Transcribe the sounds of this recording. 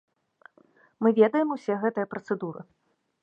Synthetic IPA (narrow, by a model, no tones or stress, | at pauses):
mɨvʲɛd̪ɐjɛmusʲɛɣɛt̪ɐjɐpɾɐt̪sɛd̪uɾɨ̰